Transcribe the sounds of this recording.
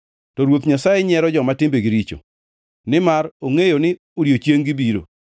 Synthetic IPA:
tɔɾwot̪ɲasajɛɲɛɾɔd͡ʒɔmatɪmbeɡiɾit͡ʃo̰ | nɪmaɾoŋejonɪ | oɾjot͡ʃjeŋɡibiɾo̰

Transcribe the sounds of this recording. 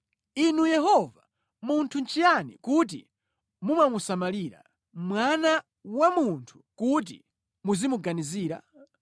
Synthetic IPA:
inujɛɦɔva | muntʰunt͡ʃijanḭkut̬ḭ | mumamusamaliɾa̰ | mwana | wamuntʰu̥kut̬ḭ | muzimuɡaniziːɾa̰

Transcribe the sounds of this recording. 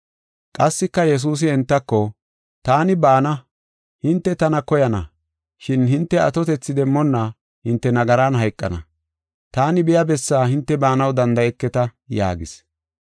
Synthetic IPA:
kʼɐsːɪkːɐjɛs̬uːs̬ɪɛnt̪ːɐkːɔ | t̪aːnɪbaːnɐ | hɪnt̪ːɛt̪ɐnɐkɔjɐnɐ̰ | ʃɪnɦɪnt̪ːɛɐt̪ɔt̪ɛt͡sːɪd̪ɛmːɔnːɐ | hɪnt̪ːɛnɐɡɐɾanɦɐjkʼːɐ̰nɐ̰ | t̪aːnɪbɪjɐbɛsːaːhɪnt̪ːɛbaːnɐwd̪ɐnd̪ɐɛkːɛt̪ɐja̰ːɡɪs

